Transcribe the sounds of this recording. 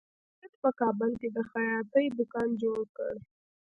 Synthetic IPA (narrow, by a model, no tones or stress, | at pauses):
ət̪pəkɑbəlked̪əxajɑt̪əjd̪ʊkɑnd͡ʒoɽkə̰ɽ